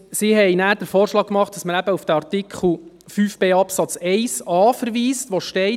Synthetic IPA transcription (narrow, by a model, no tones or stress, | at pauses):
sihɛɪnæːɾd̥əɾfoːɾʃlɑːkːmɑχt̚d̥ɑsməɾæbəufd̥æɑɾtɪkʰχl̩ˠ | fyːfb̥eːɑpsɑt͡sɛɪsɑːfəɾʋiːstʋoʃtɛɪ